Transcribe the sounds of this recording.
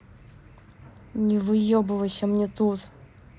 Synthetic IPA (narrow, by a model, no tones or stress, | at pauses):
nʲɪvɨjobɨvəsʲəmnʲet̪ut̪